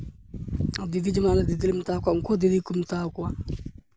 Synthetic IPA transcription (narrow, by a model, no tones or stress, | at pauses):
adivid͡ʒimaladidilim̩takʷaŋ̩kodilikum̩takwa